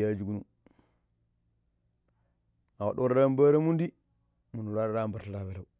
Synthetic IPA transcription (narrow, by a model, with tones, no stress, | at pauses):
a˨d͡ʒu˨ɡu˦nu˨˦ | a˨wa˨ɗo˦ɾɾa˦mba˦ɾa˦mu˦ndi˦ | mu˨nu˨la˦ɾɾa˦mba˨ɾta˨la˨be˨la˨u